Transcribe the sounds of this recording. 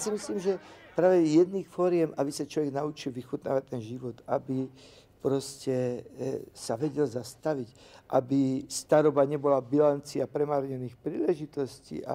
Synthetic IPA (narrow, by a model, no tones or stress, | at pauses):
jsimisliːmʒɛpɾaːʋɛjɛd̪niːxfɔɾɪɛmʔabisat͡ʃlɔʋjɛɡnaut͡ʃilʋixut̪na̰ːʋact̪ːɛnʒiʋɔt̪a̰bi | pɾɔscɛ | saʋɛɟɛlzast̪aʋic | ʔabist̪aɾɔbaɲɛbɔlabilant͡siapɾɛmaɾɲɛniːxpɾiːlɛʒit̪ɔscḭʔa̰